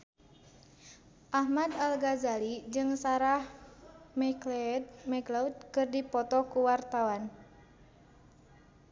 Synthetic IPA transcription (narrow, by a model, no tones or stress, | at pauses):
ʔahmad̪alɡazalid͡ʒɨŋsaɾahmɛld̪mɛɡlaud̪̚kɨrdipɔt̪ɔkuwart̪awan